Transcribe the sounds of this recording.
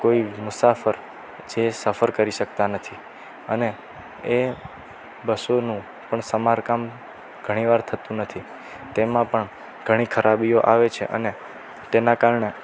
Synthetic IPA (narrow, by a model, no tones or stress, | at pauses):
koimʊsafəɾ | d͡ʒesəfəɾkəɾiʃək̚t̪anət̪ʰi | əne | e | bəsonũ | pəɳsəmaɾkam | ɡ̥ʱəɽ̃iʋaɾt̪ʰət̪ũnət̪ʰi | t̪emãpəɳ | ɡ̥ʱəɽ̃ikʰəɾʔabioʔaʋet͡ʃʰḛʔə̰ne | t̪enãkaɾɳe